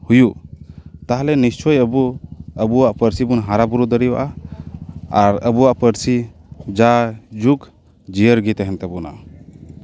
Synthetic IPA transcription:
huju | t̪aɦalɛnist͡ʃʰɔjəbuəbuwaʔpəɾsibunɦaɾabuɾud̪əɾiwa̰ʔa | aɾəbuwaʔpəɾsi | d͡ʒad͡ʒuk | d͡ʒijəɾɡit̪ɛɦɛnt̪abuna̰

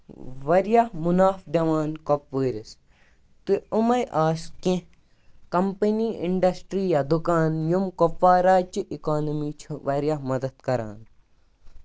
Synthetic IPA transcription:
ʋɐɾjahmunaːfd̪ɐʋaːnkopʋəːɾis | t̪ɨumɐjʔaːskẽ | kɐmpɐniːʔiɳɖɐsʈɾiːjad̪ukaːnjumkofaːɾaːt͡ʃiʔikaːnɐmiːt͡ʃʰʋɐɾjamɐd̪ɐd̪kɐɾa̰ːn

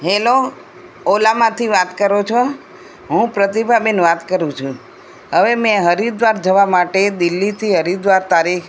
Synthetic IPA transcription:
ɦelo | olamãt̪ʰiʋat̪kəɾot͡ʃʰo | ɦũpɾət̪ibʱabenʋat̪kəɾũt͡ʃʰũ | ɦəʋemɛ̃ɦəɾid̪ʋaɾd͡ʒəʋamaʈed̪ilːit̪ʰiɦəɾid̪ʋaɾt̪aɾikʰ

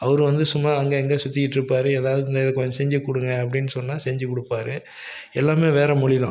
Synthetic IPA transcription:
ɐʋɐɾɯʋɐnd̪ɯsʊmːaːɐŋɡeɛŋɡeːsʊt̪ːɪkɪʈːɪɾɯpːaːɾɯeːðaːʋɐðɯnd̪ɐɪðɐkːɯɐɲsɛɲd͡ʒɐkːʊɽɯŋɡɐɐp̬ːɐɽɪnːɯsɔnːaːsɛɲd͡ʒɯkːɔɽɯpːaːɾɯ | ɛlːaːmeːʋeːɾɐmʊɭɪðãː

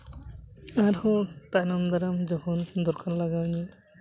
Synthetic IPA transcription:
aɾhɔt̪ajnamd̪aɾamd͡ʒɔkʰɔnd̪ɔɾkanlaɡawni

